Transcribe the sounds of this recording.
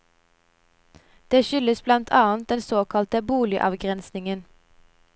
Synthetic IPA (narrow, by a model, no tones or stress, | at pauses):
d̪̥eːʃʏləsblɑnt̪ʰɑːənt̪̚d̪ɛnsoːkʰɑlt̪əbuːlɪʔɑ̰ʋɡʁɛnsnɪŋən